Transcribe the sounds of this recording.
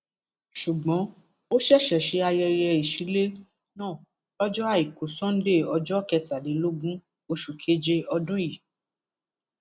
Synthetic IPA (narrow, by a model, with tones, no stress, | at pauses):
ʃu˨ɡ͡bɔ̃˨˦ | o˦ʃɛ˦˨ʃɛ˨ʃe˨˦a˧jɛ˧jɛ˧i˨ʃi˨˦le˦ | nãː˦˨ | ɔ˦d͡ʒɔ˦a˦˨i˨ko˨sɔ̃˦n̩˦de˦˨ɔ˧d͡ʒɔ˦˨kɛ˧ta˨le˨˦lo˦ɡũ˦ | o˧ʃu˨kʰe˦d͡ʒe˧ɔ˧dũ˦ji˨